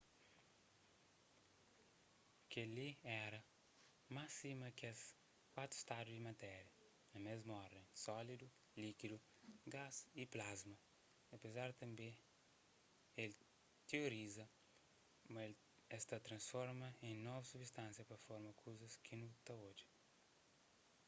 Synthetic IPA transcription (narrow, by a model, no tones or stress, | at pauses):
kɐliɛɾɐ | masimɐkɛs | kwat̪ɾu̥st̪ad̪ud̪imɐt̪ɛɾjɐ | nɐmezmɐɔɾd̪ẽj̃sɔlid̪u | likid̪u | ɡaziplazmɐ | ɐpezaɾt̪ɐ̃mbẽ | el | t̪eoɾizɐ | mɐl | ɛst̪ɐt̪ɾɐ̃nsfɔɾmɐẽjnɔvɐsubist̪ɐ̃nsjɐpɐfɔɾmɐkʰuzɐskʰinut̪ɐod͡ʒi